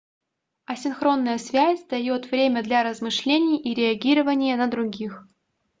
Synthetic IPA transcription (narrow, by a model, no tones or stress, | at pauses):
ɐsʲɪnxɾo̞nːəjəsvʲæsʲd̪ɐjo̞t̪vɾʲemʲəd̪lʲɐɾəzmɨʂlʲenʲɪjʔiɾʲɪɐɡʲiɾəvənʲɪjənəd̪ɾʊɡʲix